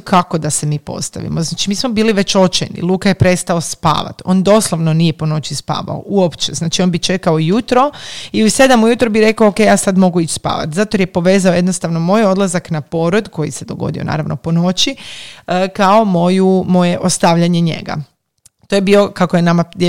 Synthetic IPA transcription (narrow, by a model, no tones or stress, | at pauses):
kʰako̞d̪ase̞miːpo̞̰st̪a̰ʋḭmoznaːt͡ʃimiːsmobiːliʋe̞t͡ɕo̞t͡ʃḛnḭlˠuːkajepɾe̞st̪aospa̰ːʋa̰t̪o̰nd̪o̞slˠoʋnonijepo̞no̞t͡ʃispa̰ːʋa̰o̰ʔuopt͡ʃeznaːt͡ʃio̞nbit͡ʃekaojut̪ɾo̞iuse̞d̪amujut̪ɾobiɾe̞kookejaːsad̪mo̞ɡuit͡ʃspa̰ːʋa̰t̪zat̪oɾjepo̞ʋeːzaojed̪nost̪aʋnomo̞jo̞d̪lˠazaknapo̞ɾod̪ko̞jised̪o̰ɡo̞̰d̪io̞na̰ːɾaʋno̰po̞no̞t͡ʃi | kao̞mojumo̞jeʔost̪aʋʎaɲeɲḛɡa̰ | t̪ojebio̞kakojenamaj